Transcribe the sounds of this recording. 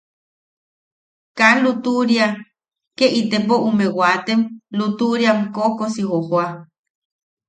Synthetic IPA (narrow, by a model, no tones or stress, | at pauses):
kanlut̪uɾia | keʔit̪epoʔumewat̪emlut̪uɾiamkokosihohwa